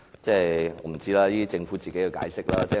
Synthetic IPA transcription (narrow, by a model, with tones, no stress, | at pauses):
t͡sɛː˥˩jɔː˨˧m̩˨˩t͡siː˥laː˧jiː˥i˥t͡sɪ˧ŋfuː˨˥t͡siː˨ke˨˥ji˨˧wka̰ː˨˧˥jsɪ˥k̚laː˥t͡sɛː˥˩